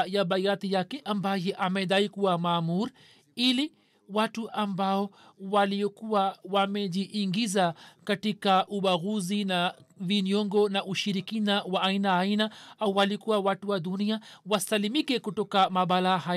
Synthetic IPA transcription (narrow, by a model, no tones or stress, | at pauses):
jaɓajat̪ijakɛʔambajɛʔamɛɗ̪aikuwamaːmuɾi | ili | watuʔambaɔ | waliɔkuwawamɛʄiʔːŋɡizakatikaʔuɓaɣuzinaviniɔŋɡɔnaʔuʃiɾikinawaainaːinaawwalikuwawatuwaduniawasalimikɛkutɔkamaɓalahaj